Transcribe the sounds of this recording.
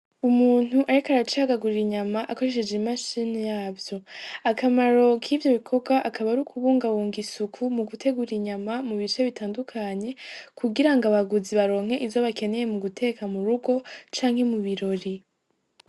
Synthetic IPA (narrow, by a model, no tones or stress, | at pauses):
umuːn̥huʔaɾikaɾat͡ʃihaɡaɡuɾɾiɲamaʔako̞ɾe̞ʃed͡ʒimaʃiːnejaːvjo̞akamaɾo̞kʰiːvjo̞βikʰo̞ɡwaʔakʰaβaɾukʰuβuːŋɡawuːŋɡisukʰumuɡutʰe̞ɡuɾiɲamamuβit͡ʃe̞βitaːndukʰaɲe̞kʰuɡiɾaŋɡaβaɡuziβaɾo̞ːŋ̥he̞ʔizo̞βake̞ne̞je̞muɡutʰe̞ːkamuɾuɡo̞t͡ʃaːŋhe̞muβiɾo̞ɾi